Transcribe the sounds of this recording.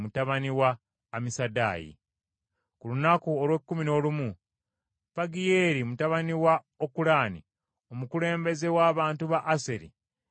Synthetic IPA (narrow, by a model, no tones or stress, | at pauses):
mutaβaniwaː | misada̰ːjḭ | kulunakuolwekːumino̞lumu | faɡijeːɾimutaβaniwa | okulaːnḭ | o̞mukule̞ːmbe̞ze̞waːβaːntuβaʔːse̞ɾḭ